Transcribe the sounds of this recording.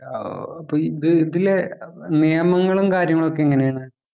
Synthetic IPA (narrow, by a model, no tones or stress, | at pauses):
ɐpːoːiðɨiðilenijɐmɐŋːɐɭumkaːɾjɐŋːɐɭo̞k̬ːeiŋːɐnejaːɳa